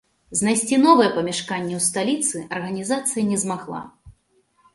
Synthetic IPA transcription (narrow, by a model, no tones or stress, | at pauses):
znajsʲt͡sʲinɔvɐjɛpɐmʲɛʂkanʲːɛwst̪alʲit̪sɨʔɐrɣɐnʲizat̪sɨjɐnʲɛzmaɣlˠa̰